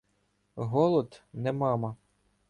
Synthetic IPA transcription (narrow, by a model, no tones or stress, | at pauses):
ɦɔlˠɔd̪nɛmɑmɐ